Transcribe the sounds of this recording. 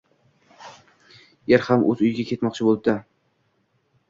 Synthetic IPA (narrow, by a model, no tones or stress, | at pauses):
jeɾhamɵ̰zʊjɪɡʲakʲʰe̞t̪mɒq̚t͡ʃʰɪbol̚ˠd̪a